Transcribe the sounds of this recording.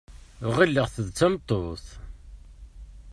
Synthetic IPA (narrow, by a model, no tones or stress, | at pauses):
ʁilːəʁθəðt͡sːæmt̪ˤːoθ